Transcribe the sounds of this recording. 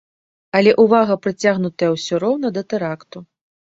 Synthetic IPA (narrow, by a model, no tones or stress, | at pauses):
ɐlʲɛʔuvaɣɐpɾɨt͡sʲaɣnut̪ɐjɐwsʲɔɾɔwnɐd̪ɐt̪ɛɾakt̪u